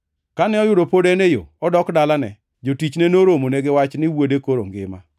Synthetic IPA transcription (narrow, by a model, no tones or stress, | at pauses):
kanɛɔjʊdopodenejo̰ɔdɔkdalanɛ̰ | d͡ʒotit͡ʃnenoɾomoneɡewat͡ʃnɪwodekoɾo̰ŋɡɪ̰ma̰